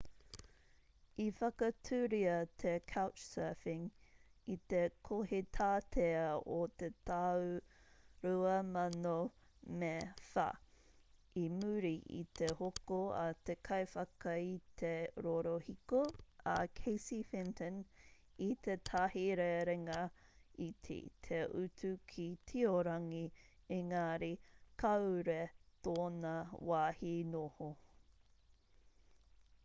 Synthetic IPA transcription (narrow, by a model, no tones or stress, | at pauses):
ifɐkɐtʰʉːɾiɐt̪ʰekʰawt͡ʃsɛːfɪŋit̪ekʰohet̪ʰaːtʰeɐot̪et̪aw | ɾuɐmɐno | mefa̰ | imʉɾiʔḭt̪ehokoɐ̰t̪ekʰɐjfɐkɐit̪ʰeɾoɾohikoɐkʰejsifɪntʰən | it̪ʰet̪ʰahiɾeɾɛŋɐitʰḭt̪ʰeʔʉtʰʉkʰitʰioɾɐŋiiŋaɾikʰɐwɾet̪oːnɐwaːhinoho